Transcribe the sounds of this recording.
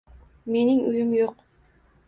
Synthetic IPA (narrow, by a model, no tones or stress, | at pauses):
me̞niŋujumjoq